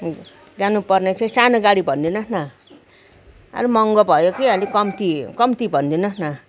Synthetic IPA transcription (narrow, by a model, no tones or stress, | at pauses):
d͡zanupʌrnet͡sʰʌsanoɡaɽibʱʌnd̪inʌsna | ʌ̰ɾumʌŋɡʌbʱʌjokiʌlikʌmt̪ikʌmt̪ibʱʌnd̪inʌsna